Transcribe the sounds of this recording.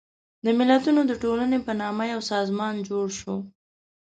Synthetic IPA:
d̪əmɪlat̪unod̪əʈolanepənɑmajawsɑzmɑnd͡ʒoɽʃo

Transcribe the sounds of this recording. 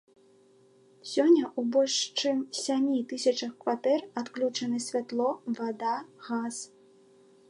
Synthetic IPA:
sʲɔnʲːɐʔubɔlʲʂt͡ʂɨmsʲamʲit̪ɨsʲɐt͡ʂɐxkvat̪ɛrat̪klʲut͡ʂɐnɛsʲvʲat̪lˠɔvad̪aɣas

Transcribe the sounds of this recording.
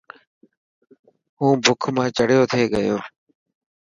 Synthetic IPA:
ɦũːbʱʊkʰmãːt͡ʃəɽjoːt̪ʰeːɠəjoː

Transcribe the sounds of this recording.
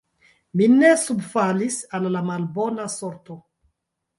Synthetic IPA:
minesubfalisalːamalbo̞nasoɾto

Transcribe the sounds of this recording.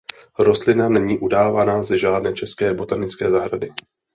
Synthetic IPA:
ɾo̞st̪lɪnanɛɲiːʔudaːvanazɛʒaːdnɛːt͡ʃɛskɛːbo̞t̪anɪt͡skɛːzaɦɾadɪ

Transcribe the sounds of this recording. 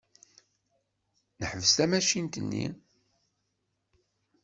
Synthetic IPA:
nəħəvəst̪æmæʃint̪ənːḭ

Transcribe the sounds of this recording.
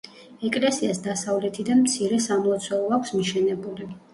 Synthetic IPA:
ɛkʼlɛsiasd̪asavlɛt̪ʰid̪amt̪sʰiɾɛsamɔat̪sʰwɛlˠɔakʷʰsmiʃɛnɛbuli

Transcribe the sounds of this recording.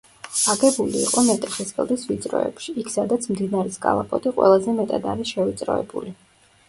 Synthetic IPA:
aɡɛbuliːqʼɔmɛt̪ʼɛχɛsbɛ̰lˠd̪isvit̪sʼɾɔ̰ɛ̰pʃiikʰsad̪at̪sʰmd̪inaɾiskʼa̰lˠa̰pʼɔt̪ʼiqʼwɛ̰lˠazɛmɛt̪ʼad̪a̰ɾisʃɛvit̪sʼɾɔ̰ɛ̰buli

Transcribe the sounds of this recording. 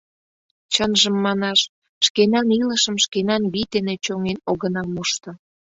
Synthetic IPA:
t͡ɕənʒəmːɑnɑʃ | ʃkenɑniləʃəmʃkenɑnβit̪enet͡ɕoŋenoɣənɑmuʃt̪ɤ̆

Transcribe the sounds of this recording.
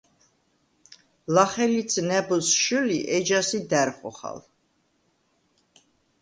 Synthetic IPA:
laχɛlid̪sʼnɛbɔsʃuliʔɛd͡ʒasid̪æɾχɔ̰χa̰l

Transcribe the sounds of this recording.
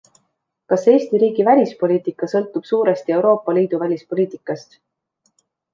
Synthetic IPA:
kɑse̞ːst̪iɾiːɡ̥ivælʲispo̞lʲiːt̪ˑikːˑɑsɤlt̪ːˑub̥suːɾe̞st̪ie̞wɾo̞ːpːˑɑliːd̪̥uvælʲispo̞lʲiːt̪ˑikːˑɑst̪

